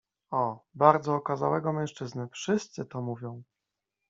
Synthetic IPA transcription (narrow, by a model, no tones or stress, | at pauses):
ɔbaɾd̪zɔːkazawɛɡɔmɛ̃w̃ʂt͡ʂɘznɘfʂɘst̪sɘt̪ɔmuvʲjɔ̃w̃